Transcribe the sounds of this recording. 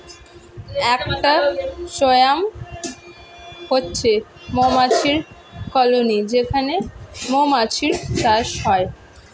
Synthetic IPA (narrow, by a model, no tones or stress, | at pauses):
ɛkʈaʃojam | hotːɕʰe | momat͡ɕʰiɾ | kɔlonid͡ʑekʰanemomat͡ɕʰiɾt͡ɕaʃɦɔe